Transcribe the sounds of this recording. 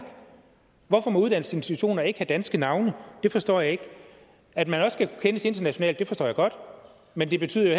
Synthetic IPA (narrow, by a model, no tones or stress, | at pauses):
ʋɒfɒ̽mɒ̽uð̞ˠd̥æn̰əse̝nsi̥t͡sʰuɕo̝̰ːnɐe̝ɡ̥əhæd̥ænsɡ̥ənɑ̈ʊnəd̥e̝fɒ̽sd̥ɒ̰ːjɑ̈e̝ɡ̥ | æd̥mænɒ̽sːɡ̥ækʰu̥kʰenəse̝nd̥ɐnæɕo̝nɛ̰ːld̥e̝fɒsd̥ɒ̰ːjɑ̈ɡ̥ɒ̽d̥ | mend̥e̝b̥e̝t͡sʰy̰ðˠɐjo